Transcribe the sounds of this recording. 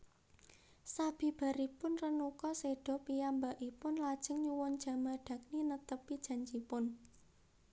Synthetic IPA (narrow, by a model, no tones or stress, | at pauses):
sab̥i̤b̥a̤ɾipʊnrənukɔseɖ̥ɔ̤pijambaʔipʊnlad̥ʒ̥ə̤ŋɲuwɔnd̥ʒ̥ä̤maɖ̥a̤k̚ninət̪əpid̥ʒ̥a̤ɲt͡ʃipʊn